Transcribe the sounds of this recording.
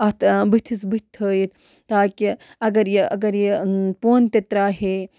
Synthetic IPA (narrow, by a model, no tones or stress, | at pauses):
ɐt̪bɨt̪ʰisbɨt̪ʰːəːjit̪ | t̪aːki | ɐɡɐɾjeɐɡɐɾjepoːnt̪et̪ɾaːɦe